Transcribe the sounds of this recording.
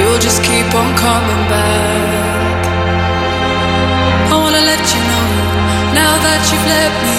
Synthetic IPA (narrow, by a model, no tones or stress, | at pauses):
ilˠd͡ʒʌskʰip | n̩kʰʌmɪ̃ŋbaɪ | k | awɑnəlɛt͡ʃɨnoʊ | naʊðət͡ʃɨlɛf̚mi